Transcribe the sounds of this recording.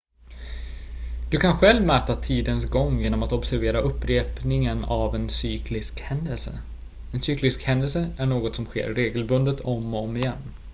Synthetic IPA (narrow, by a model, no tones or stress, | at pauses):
d̪̥ɵkʰanɧɛlvmæɾt̪at̪ʰiːd̪ənsɡɔŋːjeːnɔmat̪ɔbsæɾveːɾaʔɵpːɾeːpnɪŋənavɛnsyːkʰlɪskhɛnd̪əlsə̰ | ɛnsyːklɪskhɛnd̪əlsəʔæɳoːɡɔt̪sɔmɧḛːɾɾeːɡəlbɵnd̪ət̪ʰɔmɔmɪjɛnː